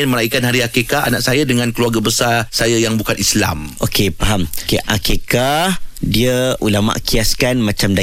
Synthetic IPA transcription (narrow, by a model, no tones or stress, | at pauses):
nməɾaikanhaɾiakekaanaʔsajadəŋankəluarɡabəsarsajajaŋbukanisla̰mʔokepaɦamkeʔa̰kekadiəʔulama̰ʔkiaskanmãt͡ʃamda